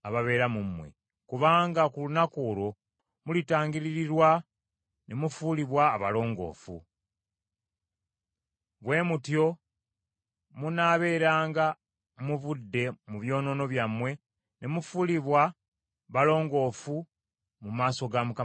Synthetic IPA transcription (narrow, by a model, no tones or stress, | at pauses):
aβaβe̞ːɾamumwe̞̰ | kuβaːŋɡakulunakuːɾo̞ | mulitaːŋɡiɾiɾiɾwa | nemufuliβwaːβa̰lo̞ːŋɡo̞̰ːfṵ | βwe̞ːmutjo̞ | munaβe̞ːɾaːŋɡa | muβudːe̞muβjo̞ːno̞no̞βjamwe̞ | ne̞mufuliβwa | βalo̞ːŋɡo̞ːfu | mumaːso̞ɡamuka